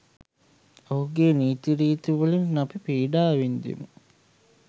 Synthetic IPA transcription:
oɦuɡeːniːt̪iɾiːt̪iʋulinnɐpipeːɖaːʋind̪ḭmu

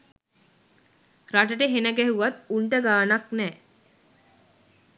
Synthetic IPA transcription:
ɾaʈ̬əʈəɦenəɡɛɦuʋat̪uɳʈəɡaːnaknɛː

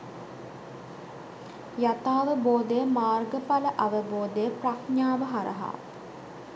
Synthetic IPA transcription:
jat̪aːʋəboːd̪əjəmaːrɡəpaləʔaʋəboːd̪əjəprakɲaːʋəɦaɾə̰ɦa̰ː

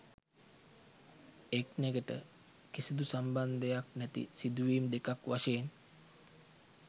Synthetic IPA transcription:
ekneɡəʈə̰ | kisid̪usamband̪əjaknæt̪ḭsid̪uʋiːmd̪ekakʋaʃeːn

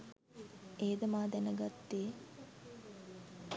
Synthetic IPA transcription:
eːd̪əmaːd̪ænəɡat̪ːeː

